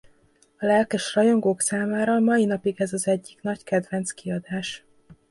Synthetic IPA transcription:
ɒlɛlkɛʃrɒjo̞ŋɡoːksaːmaːɾɒmɒinɒpiɡɛzɒzɛɟːikn̪ɒckɛd̪vɛnt̪skiɒd̪aːʃ

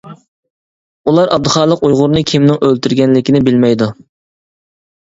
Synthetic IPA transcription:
ulˠɑɾʔɑb̚d̪ɨχɑːlˠəqujʁʊɾnɨkʲʰimnɪŋʔølt̪ʰyɾɡʲɛnlɪkʲinɪbɪlmɛjd̪u

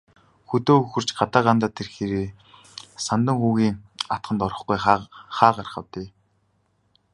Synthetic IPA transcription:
xɵt̪oːɵxɵ̆r̥t͡ɕɢat̪aːɢant̪aːt̪ʰerxeːɾeː | sant̪ə̆ŋxuːɣiːŋat̪̚χə̆nt̪ɔɾɞ̆χɡujχaːɢarχə̆wt̪eː

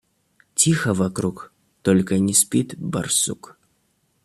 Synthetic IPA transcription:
t͡sʲixɐvakɾuk | t̪ɔlʲkɐnʲisʲpʲit̪ba̰rsuk

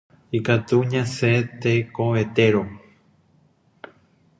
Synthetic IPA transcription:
ikat̪uɲãset̪ekoβet̪eɾo

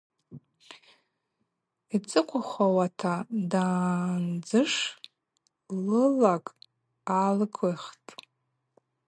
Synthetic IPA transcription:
it͡sʼɨqʷʰaχʷawatʰadaːnd͡zɨʂ | lɨlakʼ | alɡʰɨχtʼ

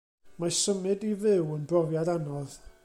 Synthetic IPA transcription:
masəmɨdivɪwənbrɔvjadanɔð

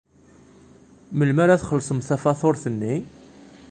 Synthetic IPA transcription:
məlmæɾæθχəlsˤəmθæfɑθoɾθənːi

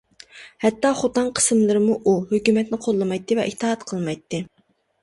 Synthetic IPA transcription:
hɛt̪ːɑːχot̪ɑnqʰə̥smlˠɨɾɨmuʔuɦøkʲymɛt̪nɪqʰolˠːɨmɑjt̪ʰːɨvɛ̰ʔiht̪ːɨɦɑt̪qʰəlˠmɑjt̪ʰːɨ

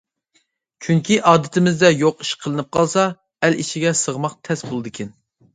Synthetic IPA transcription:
t͡ʃʲʰyŋkʲʰiʔɑːd̪ɪt̪ʰɪmɪzd̪ɛjoqiʃqʰəlˠɨnɨp̚qʰɑlˠsɑ | ɛliʃiɡʲɛsəʁmɑqt̪ʰɛsbolˠɨd̪ɨkʲʰɛn

